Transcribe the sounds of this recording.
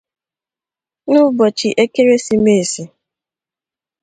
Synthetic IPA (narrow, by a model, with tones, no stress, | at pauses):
nʊ˦bɔ˨t͡ʃi˨ʔe˦ke˦ɾe˦si˦me˦˨si˨